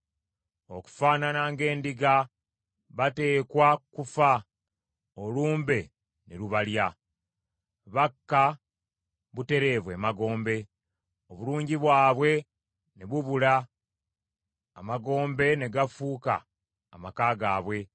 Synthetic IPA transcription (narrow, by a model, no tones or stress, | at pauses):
o̞ku̥faːnanaŋɡe̞ːndiɡa | βate̞ːkwakufa | oluːmbe̞ | neɾuβalja | βakːa | βute̞ɾe̞ːβwe̞maɡo̞ːmbe̞ | oβuluːɲɟiβwaːβwe̞ | neβuβula | maɡo̞ːmbe̞neɡafuːka̰ː | makaːɡaːβwe̞